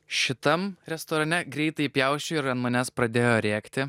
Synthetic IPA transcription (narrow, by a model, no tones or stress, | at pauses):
ʃʲɪt̪ɐmɾʲɛst̪oːɾɐnʲɛɡɾʲɛɪt̪ɐɪpʲjɛʊʃʲt͡ʃʲʊɪɾɐnt̪mɐnʲɛspɾɐd̪ʲeːjoːɾʲeːkt̪ʲɪ